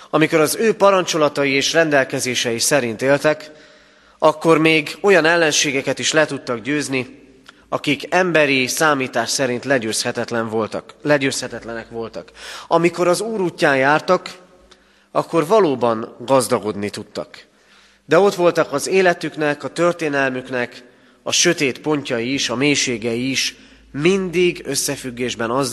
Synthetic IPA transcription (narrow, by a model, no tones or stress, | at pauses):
ɒmiko̞ɾɒzøːpɒɾɒnt͡ʃo̞lɒt̪ɒjieːʃrɛnd̪ɛlkɛzeːʃɛjisɛɾint̪eːlt̪ɛk | ɒkːo̞rmeːɡo̞jɒnɛlːɛnʃeːɡɛkɛt̪iʃlɛt̪ut̪ːɒɡɟøːzni | ɒkikɛmbɛɾisaːmiːt̪aːʃsɛɾint̪lɛøshɛt̪ɛt̪lɛnt̪lɛɟøːshɛt̪ɛt̪lɛnɛkʋo̞lt̪ɒkɒmiko̞ɾɒzuːɾuːcːaːnjaːrt̪ɒk | ɒkːo̞rvɒloːbɒnɡɒzd̪ɒɡo̞d̪nit̪ut̪ːɒ̰k | d̪ɛo̞t̪ʋo̞lt̪ɒkɒzeːlɛt̪yknɛkɒt̪ørt̪eːnɛlmyknɛk | ɒʃø̞t̪eːt̪po̞ɲcɒjiːʃɒmeːjʃeːɡɛjiːʃ | mind̪iɡøsːɛfyɡːeːʒbɛnɒz